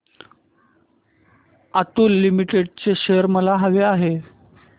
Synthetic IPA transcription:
at̪uːlːimiʈeɽt͡seɕeəɾməlaɦəʋeaɦe

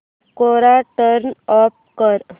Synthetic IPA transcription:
koɾaʈəɾnɔp̚kəɾ

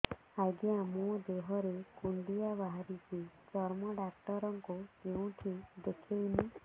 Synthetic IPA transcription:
aɡiamũd̪eɦɔɾekuɳɖiabaɦaɾit͡ʃit͡ʃɔɾmɔɖakʈɔɾɔŋkukeũʈʰid̪ekʰeni

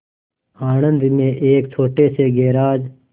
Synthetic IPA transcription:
aːɳənd̪mẽːʔeːkt͡ʃʰoːʈeːseːɡeːɾaːd͡ʒ

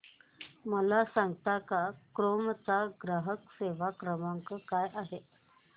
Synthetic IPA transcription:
məlasaŋɡt̪akakɾomt͡saɡɾaɦəkseʋakɾəmaŋkəkajʔaɦe

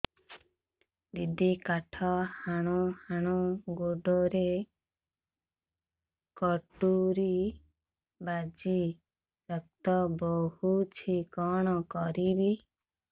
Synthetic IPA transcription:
d̪id̪ikaʈʰɔhaɽ̃uhaɽ̃uɡoɖoɾe | kɔʈuɾi | bad͡ʒi | ɾɔk̚t̪ɔbɔhut͡ʃʰikɔɽ̃ɔkɔɾibi

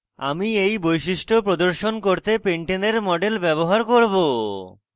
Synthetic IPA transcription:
a̰miejbojʃiʃʈopɾod̪oɾʃonkoɾt̪epeɳʈeneɾmɔɖelbɛβoɦaɾkoɾbo

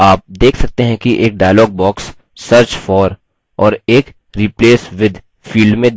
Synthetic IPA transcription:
aːp̚d̪eːkʰsɐk̚t̪eɦɛ̃kiʔeːk̚ɖaːɪlɔːɡ̚bɔːksː | əɾt͡ʃfɔːɾ | ɔːɾeːk | ɾipleːsʋɪd̪ʱ | fiːlɖmẽ

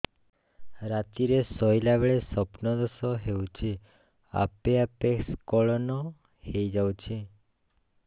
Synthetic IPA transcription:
ɾat̪iɾesɔjlabeɭesəpnɔd̪ɔsoɦeũt͡ʃʰe | a̰peapekskɔɭɔno | hejd͡ʒaũt͡ʃʰe

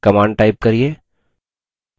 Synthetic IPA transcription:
kɐmaːɳɖ̚ʈaːɪp̚kɐɾieː

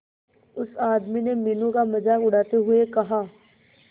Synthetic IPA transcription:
ʊsaːd̪minemiːnũkamɐd͡ʒaːkʊɽaːt̪eɦʊekɐɦaː

